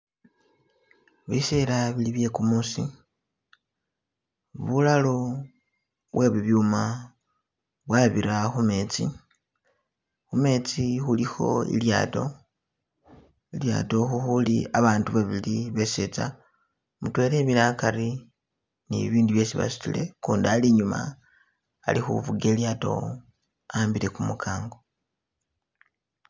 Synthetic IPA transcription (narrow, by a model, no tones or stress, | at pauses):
βiselaβiliβje̞kumusḭ | βulalo̞ | βwʔe̞βuβjuma | βwaβiɾaxume̞ːt͡si | xume̞ːt͡sixulixo̞̰ḭlja̰ːto̞̰ | ilja̰ːto̞xuxuliaβaːntuβaβiliβe̞set͡sa | mutwe̞le̞βinakaɾi | nḭβiːndiβje̞siβa̰su̥tḭle̞kuːndaliɲuma̰ː | lixṵβuɡe̞ljaːto̞̰ | ambile̞kumukʰaːŋɡo̞